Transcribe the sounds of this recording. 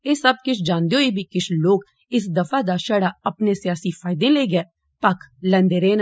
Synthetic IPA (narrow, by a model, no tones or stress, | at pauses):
eːsɐb̚kɪt͡ʃʰd͡ʒãːnd̪eoːibʱikɪt͡ʃʰloːɡ | ɪs̬d̪ɐfaːd̪aːʃəɽaːɐpnesɪjaːsifaːɪd̪ẽːleːɡɛː | pɐklə̃nd̪eːɾeːn